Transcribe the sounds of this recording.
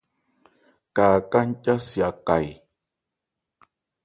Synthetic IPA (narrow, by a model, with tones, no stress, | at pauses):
kaː˨ka˦ŋ̩˦ca˦sja˨ka˨j